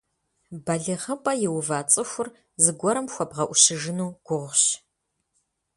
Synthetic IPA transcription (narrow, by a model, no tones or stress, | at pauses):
bɐɮɨʁɐpʼɐjɪwvaːt͡sʼɨxʷʊr | zɨɡʷɔɾɨmxʷɔbʁɐʔʷʊɕɪʒɨnuːɡ̥ʷʊʁʷɕ